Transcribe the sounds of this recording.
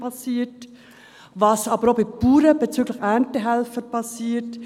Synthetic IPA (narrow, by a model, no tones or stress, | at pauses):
pɑsiːət | vɑsɑːbəɾobipuːɾəb̥ɛt͡syːɡlɪçɛntəɦɛlfəɾpʰɑsiːt